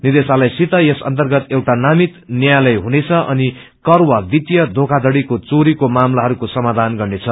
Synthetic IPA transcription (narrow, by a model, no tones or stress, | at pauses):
nid̪esalajsit̪ʌjesʌ̰nt̪ʌrɡʌt̪ewʈanamit̪njajlʌjɦunet͡sʰʌʔʌ̰ni | kʌrwʌbit̪jʌd̪ʱokʰad̪ʌɽikot͡soɾikomamlaɦʌɾukosʌmad̪ʱanɡʌrnet͡sʰʌ